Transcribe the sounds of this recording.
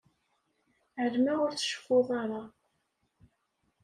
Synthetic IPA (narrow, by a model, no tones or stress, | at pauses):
ʕəlmaʁʊɾθə̥ʃə̥foðˤɑɾˤɑ